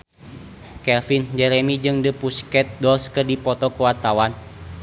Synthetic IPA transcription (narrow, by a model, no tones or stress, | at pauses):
kɛlfind͡ʒɛɾɛmid͡ʒɨŋdəpuskɛt̪̚dɔlskərdipɔt̪ɔkuwat̪awan